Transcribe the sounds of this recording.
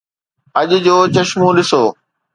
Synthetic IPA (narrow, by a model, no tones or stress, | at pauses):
ɐʄd͡ʑoːt͡ɕɐʃmũɗɪsoː